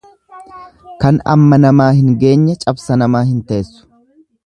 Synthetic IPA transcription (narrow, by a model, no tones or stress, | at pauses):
kɐnɐ̰mːɐnɐmaːhɪŋɡe̞ːɲːɐt͡ʃʼɐbsɐnɐmaːhɪnt̪ɐʔesːʊ̥